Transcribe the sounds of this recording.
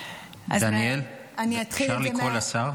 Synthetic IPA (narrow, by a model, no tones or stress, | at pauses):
a̰d̪anel | aniat̪χiʃaʁlikolasaʁ